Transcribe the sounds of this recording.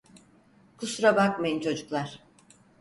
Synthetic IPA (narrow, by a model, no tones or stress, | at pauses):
kʰusɾabak̚majint͡ʃʰo̞d͡ʒuklˠaɾ̥